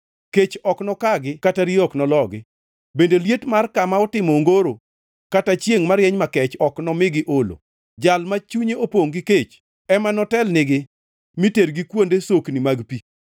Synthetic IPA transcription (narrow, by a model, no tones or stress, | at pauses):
ket͡ʃɔknɔkaɡɪkataɾiɔknɔlɔɡɪ | bendeljetmarkamaɔtɪmɔŋɡoɾo | katat͡ʃjeŋmaɾjɛɲmakɛt͡ʃɔknɔmɪɡɪʔolo̰ | d͡ʒalmat͡ʃuɲeopoŋɡɪket͡ʃ | ɛmanɔtɛlnɪɡɪ | miteɾɡikwondesoknimaɡpi